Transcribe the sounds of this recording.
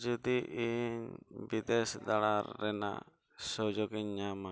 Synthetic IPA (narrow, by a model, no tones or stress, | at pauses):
d͡ʒud̪iʔiɲbid̪ɛsd̪alaɾːɛna̰ | sɔd͡ʒɔɡiɲːama